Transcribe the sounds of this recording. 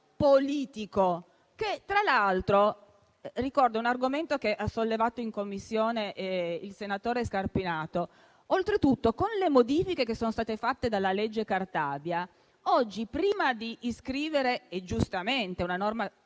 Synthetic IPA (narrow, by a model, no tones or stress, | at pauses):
poliːt̪iko | ket̪ːɾalalt̪ɾo | rikɔrd̪ounarɡoment̪okeʔasolːevaːt̪oiŋkomːisːjoːneʔilsenat̪oːɾeskarpinaːt̪o | olt̪ɾet̪ut̪ːokonlemod̪iːfikekesːoːnost̪aːt̪efat̪ːed̪alːaled͡ʒːekart̪aːbja | ɔd͡ʒːipɾiːmad̪iːskɾiːveɾeed͡ʒust̪ament̪eunanorma